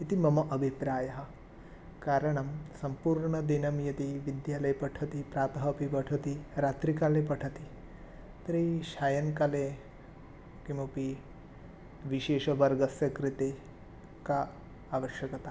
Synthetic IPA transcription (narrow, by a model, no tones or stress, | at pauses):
it̪imɐmɐʔɐbʱipɾaːjɐɦɐ̆ | kaːɾɐɳ̃ɐmsɐmpuːɾɳɐd̪inɐmjɐt̪iʋid̪jaːlɐjpɐʈʰɐt̪ipɾaːt̪ɐɦɐpiʋɐʈʰɐt̪iɾaːt̪ɾikaːlepɐʈʰɐt̪i | t̪ɾiʃaːjɐnkaːleː | kimɐpi | ʋiʃeːʃɐʋɐɾɡɐsjɐkɾit̪eː | ka | aːʋɐʃjɐkɐt̪aː